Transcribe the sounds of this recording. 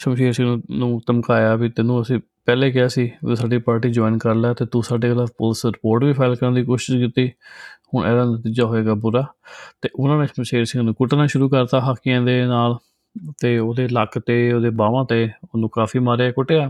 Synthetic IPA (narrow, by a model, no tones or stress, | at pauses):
ʃəmʃeːɾsɪ̃ŋɡnũːnũːt̪əmkaːjaːbiːt̪ɪnũːəsĩː | pɛːleːkɪaːsiːʋḭsaːɖiːpaːɾʈiːd͡ʒoːɪnkəɾlaːt̪eːt̪ũːsaːɖeːɡlaːpʊlsɾɪpoːɾʈʋiːpʰaːɪlkəɾənd̪iːkoːʃɪʃkɪt̪ːiːhʊɳʔɛ̰ːd̪aːnət̪iːd͡ʒaːɦoːeːɡaːbʊɾaːt̪eːʔʊnãːnẽʃəmʃeːɾsɪ̃ŋnũːkʊʈnãːʃʊɾuːkəɾt̪aːɦakːɪãːd̪eːnaːl | t̪eːoːd̪eːləkt̪eːoːd̪eːbaːʋãːt̪eːʊnũːkaːfʰiːmaːɾeaːkʊʈeːaː